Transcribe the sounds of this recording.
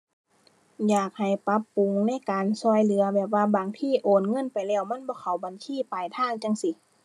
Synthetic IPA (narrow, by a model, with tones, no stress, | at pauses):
jaː˨˩k̚ha˨˩jpa˧˦˥pːu˨ŋna˧˥˨jkaː˨nsɔː˧˩jlɯ˨˩˦ɐbɛː˨˩p̚ʋaː˧baː˨˩ŋt̪ʰiː˧˥˨ʔoː˨˩nŋɤ˧˥˨npa˨jlɛː˧˩wma˧˥˨nbɔː˧˦kʰa˨˩wba˨nsʰiː˧˥˨pa˨jt̪ʰaː˧˥˨ŋt͡ɕa˧ŋsi˧˦